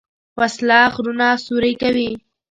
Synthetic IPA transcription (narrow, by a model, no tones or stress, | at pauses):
waslɑxɾunɑsuɾəjkawi